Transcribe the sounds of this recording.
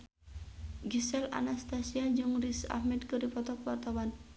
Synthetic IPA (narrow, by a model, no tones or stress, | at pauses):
ɡisɛla̰nast̪asiad͡ʒɨŋrisa̰hmɛdkɨripɔt̪ɔk̚wart̪awan